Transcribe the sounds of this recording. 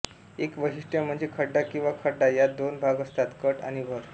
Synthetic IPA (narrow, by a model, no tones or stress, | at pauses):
ekʋəɦiʂʈjam̤əɳd͡zekʰəɖɖakĩw̃ʋakʰəɖɖajad̪onbʱaɡəst̪at̪kəʈa̰ñibʱəɾ